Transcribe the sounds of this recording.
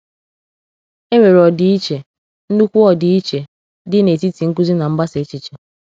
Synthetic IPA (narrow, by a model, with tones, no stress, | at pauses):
e˦ɾe˨ɾɔ˨dɪ˨i˦t͡ʃe˨ | n̩˦nu˦kʷu˦ɔ˨dɪ˨i˦t͡ʃe˨ | dɪ˦ne˨ti˦ti˨ŋ̩˦k̬u˦zi˦na˨m̩˦ba˦se˨˦t͡ʃi˨t͡ʃe˨